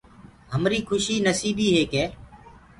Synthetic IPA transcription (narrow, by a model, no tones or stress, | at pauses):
ɦəmɾiːkʰʊʃiːnəsiːɓiːɦeːkeː